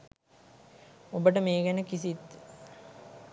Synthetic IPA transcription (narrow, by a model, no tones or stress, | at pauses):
obəʈəmeːɡenəkisit̪